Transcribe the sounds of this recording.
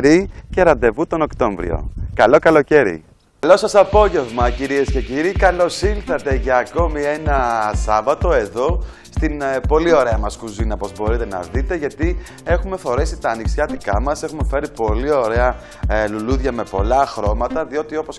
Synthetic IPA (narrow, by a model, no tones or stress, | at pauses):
ɾice̞ɾɐnd̪e̞vut̪o̞no̞kt̪o̞ɱvɾḭo̰kɐlo̞kɐlo̞ce̞ɾḭ | lo̞sɐsɐpo̞ʝe̞vmɐciɾie̞sce̞ciɾikɐlo̞silθɐt̪e̞ʝɐːko̞mie̞nɐsɐvɐt̪oe̞ðo̞ | st̪inpo̞lio̞ɾe̞ɐmɐskuzinɐpo̞zbo̞ɾit̪e̞nɐ̰ðit̪e̞ʝɐt̪i | e̞xume̞fo̞ɾe̞sit̪ɐːniksçɐt̪ikɐmɐse̞xume̞fe̞ɾipo̞lio̞ɾe̞ɐ | luluðʝɐme̞po̞̰lɐxɾo̞mɐt̪ɐðio̞t̪io̞po̞s